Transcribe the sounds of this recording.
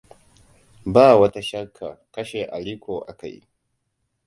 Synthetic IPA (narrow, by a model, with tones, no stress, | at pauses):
baː˦˨wɐ˦ta˦ʃɐ˦kʰːa˨kɐ˦ʃe˨ʔa˨ɽiː˦kʷoː˨ʔa̰˨ka̰˨j